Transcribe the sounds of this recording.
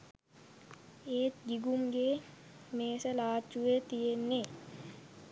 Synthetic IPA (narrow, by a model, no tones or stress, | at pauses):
eːt̪ɡiɡumɡe | meːsəlaːt͡ʃːuʋet̪ijenːe